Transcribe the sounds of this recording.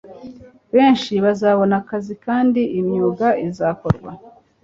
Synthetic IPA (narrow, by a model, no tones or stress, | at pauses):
βeːnʃiβazaβo̞nakazikaːndiʔimɲuːɡaizaːko̞ɾɡwa̰